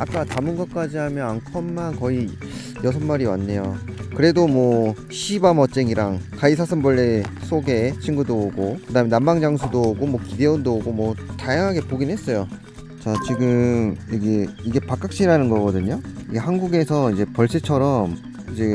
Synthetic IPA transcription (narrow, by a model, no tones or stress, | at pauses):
ak͈atamɯnɡʌk͈ad͡ʑiɦamjʌnankʰʌmːankʌi | jʌs̬ʰʌmːaɾiwa̰nːe̞jokɯɾe̞domwʌ | ɕʰibamʌt͡ɕ͈eŋiɾaŋkaisʰasʰɯmbʌɭːes͈ʰoɡe̞t͡ɕʰinɡudooɡokɯdaɦɯmenambaŋd͡ʑaŋs̬ʰudoɡomwʌkide̞undooɡomwʌtajaŋɦaɡe̞poɡinɦe̞s͈ʌjo | t͡ɕat͡ɕiɡɯmiɡe̞iɡe̞pak͈ak̚ɕ͈iɾanɯnɡʌɡʌdɯɲoiɡe̞hanɡuɡe̞sʰʌid͡ʑe̞pʌɭs͈ʰet͡ɕʰʌɾʌm | id͡ʑe̞